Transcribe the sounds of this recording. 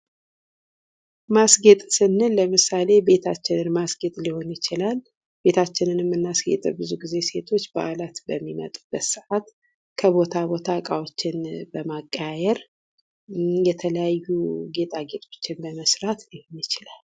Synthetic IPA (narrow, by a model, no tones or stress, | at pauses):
masɡet̪ʼsɨnːɨnləmɨsale̞be̞t̪ʰat͡ʃːɪnɨnmasɡe̞t̪ʼliho̞njɪt͡ʃɪlal | b̥e̞t̪ʰat͡ʃːɪnɨnɛmːɨnːasɡḛt̪ʼɨbɨzuɡize̞se̞t̪ʰo̞t͡ʃːba̰ʔalat̪bəmːimə̰t̪ʼubːət̪sɨʔat̪ | kʰəbo̞t̪ʰabo̞t̪ʰakʼawot͡ʃːɪnbəmakʼːajɛɾ | jɛt̪ʰələjajːuɡe̞t̪ʼaɡe̞t̪ʼo̞t͡ʃːɪnbəməsɾat̪liho̞njɪt͡ʃɪlal